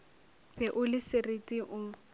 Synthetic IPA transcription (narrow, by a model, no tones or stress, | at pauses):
bɛʔʊlɪsɪretʼiʔʊː